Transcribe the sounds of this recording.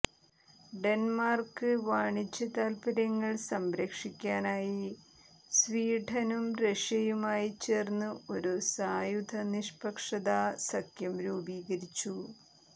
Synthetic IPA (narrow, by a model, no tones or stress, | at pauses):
ɖe̞nmaːrkɨʋaːɳit͡ɕːɐt̪aːlpɐɾɐŋːɐɭsɐmbɾɐkʂikʲːaːnaːji | sʋiːʈʰɐnumreʂɐjumaːjit͡ɕeːrnːɨo̞ɾusaːjud̪ʱɐniʂpɐkʂɐd̪aːsɐkjɐmɾuːbiːɡɐɾit͡ɕːu